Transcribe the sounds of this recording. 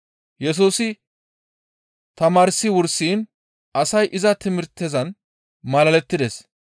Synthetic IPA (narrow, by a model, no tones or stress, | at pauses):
jɛs̬uːsɪ | t̪ɐmaːɾɪsːɪwʊɾsiːn | ɐsɐjʔɪzɐt̪ɪmɪɾt̪ːɛzɐn | mɐlɐlɛt̪ːɪd̪es